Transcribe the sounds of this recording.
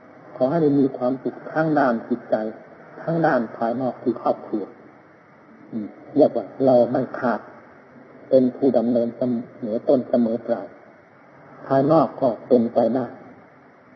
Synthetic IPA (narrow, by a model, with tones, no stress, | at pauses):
kʰɔː˨˩˦ɦa˥˩jjmiː˧kʰwaː˧˥˨msʰu˧˩k̚t̪ʰaː˧˥˨ŋdaː˧˥˩nt͡ɕi˧t̪̚t͡ɕa˧jt̪ʰaː˧˥ŋdaː˥˩npʰaː˧jnɔː˥˩k̚t̪ʰiː˧˩kʰɔː˧˩p̚kʰɾu˧˩ɐ | ʔɯː˧˩jaː˧˩k̚waː˧˩la˧wda˧˩jkʰaː˧˩t̪̚ | pe˧npʰuː˧˩da˨˦mnɤː˧nsa˧mɤː˨˦t̪o˧˥˨nsa˧mɤː˨˦p̪ɾaː˧˩j | pʰaː˧jnɔː˥˩kːɔː˧˩t̪o˧˨npa˧jdaː˥˩j